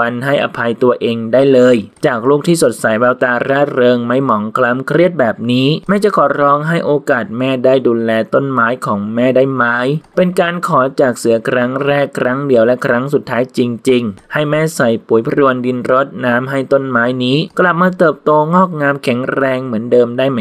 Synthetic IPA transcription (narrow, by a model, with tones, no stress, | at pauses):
a˧nɦa˥˩jʔa̰˧pʰa˧jt̪u˧ɐʔeː˧ŋdaː˥˩jlɤː˧jt͡ɕaː˨˩k̚luː˥˩k̚t̪ʰiː˥˩so˨˩t̪̚sa˨˩˦jbɛː˧wt̪aː˧ɾaː˥˩ɾɤː˧ŋma˦˥˩jmɔː˩˦ŋkʰla˦˧˥mkʰɾi˥˩ət̪̚bɛː˨˩p̚niː˦˥mɛː˦˥t͡ɕa˨˩kʰɔː˩˦ɾɔː˦˧˥ŋɦa˥˩jʔoː˧kaː˨˩t̪̚mɛː˥˩daː˥˩jduː˧lɛː˧t̪o˥˩nmaː˦˥jkʰɔː˩˦ŋmɛː˥˩daː˥˩jmaː˦˥jpe˧nkaː˧nkʰɔː˩˦t͡ɕaː˨˩k̚sɯ˨˩˦kʰɾa˦˥ŋɾɛː˥˩kkʰːɾa˦˥ŋdi˨˩˦əwlɛ˦˥kʰɾa˦˥ŋsu˨˩t̪ʰːaː˦˥jt͡ɕi˧ŋt͡ɕi˧ŋha˥˩jmɛː˥˩sa˨˩jpuː˨˩˦jpʰa˧ɾu˧əndi˧nɾo˦˥t̪̚naː˦˥mɦa˥˩jt̪o˥˩nmaː˦˥jniː˦˥kla˨˩p̚maː˧t̪ɤː˨˩p̚t̪oː˧ŋɔː˥˩k̚ŋaː˧mkʰɛ˨˩˦ŋɾɛː˧ŋmɯ˩˦əndɤː˧mdaː˥˩jma˧˩